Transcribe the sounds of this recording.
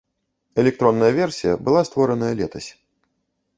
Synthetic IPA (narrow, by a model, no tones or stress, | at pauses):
ɛlʲɛk̚t̪ɾɔnːɐjɐvʲɛrsʲijɐbɨlˠast̪vɔɾɐnɐjɐlʲɛt̪ɐsʲ